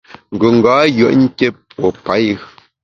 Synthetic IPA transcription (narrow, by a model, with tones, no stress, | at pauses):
ŋ̩˨ɡo˨ŋ̩˨ɡaː˨˦jɰə˨ʔŋ̩˦kʲe˦pwo˨pa˨˦j